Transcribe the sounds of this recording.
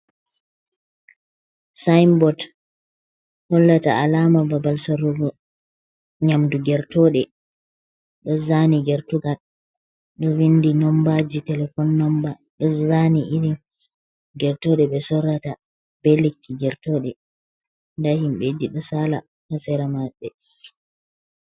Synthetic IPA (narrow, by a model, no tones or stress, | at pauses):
sajmbɔd | hɔlːataalamababalsɔɾɔɡɔ | ɲamduɡɛɾtɔɗɛ | ɗɔzaniɡɛɾtuɡal | ɗɔwindinɔmbad͡ʒitɛlɛfɔnːɔmba | ɗɔzaniʔiɾim | ɡɛɾtɔɗɛɓɛsɔɾata | b̥ɛlekʰːiɡɛɾtɔɗɛ | ndahimɓediɗɔsala | hasɛɾamaɓɛ